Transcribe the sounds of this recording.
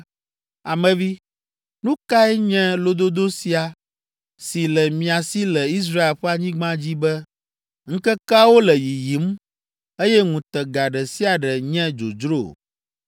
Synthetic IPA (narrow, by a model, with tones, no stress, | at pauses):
a˨mɛ̃˨vi˦ | nũ˦ka˦ɛ˦ɲɛ̃˦lo˦d̪o˦d̪o˦si˨a˨ | si˨lɛ˨mĩ˨a˨si˦lɛ˨i˦s̬ɾa˦e˨lɸɛ˦a˨ɲĩ˦ɡ͡bã˦d͡ʑi˦bɛ˦ | ŋ̩˦kɛ˦ka˦wo˦lɛ˨ji˨ji˨˦m | e˦jɛ˦ŋũ˨t̪ɛ˨ɡa˨ɖɛ˨si˦a˨ɖɛ˨ɲɛ̃˦d͡ʒo̰˨d͡ʒɾo˦˨